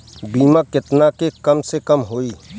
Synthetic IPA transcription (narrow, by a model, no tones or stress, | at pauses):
biːmãkɪt̪nakekɐmsekɐmɦoːiː